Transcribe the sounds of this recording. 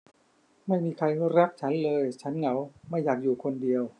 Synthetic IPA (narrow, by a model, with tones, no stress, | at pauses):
ma˥˩jmiː˧kʰa˧jɾa˦˥k̚t͡ɕʰa˦˥nlɤː˧jt͡ɕʰa˦˥nŋa˩˦wma˥˩jːaː˨˩k̚juː˨˩kʰo˧ndi˧əw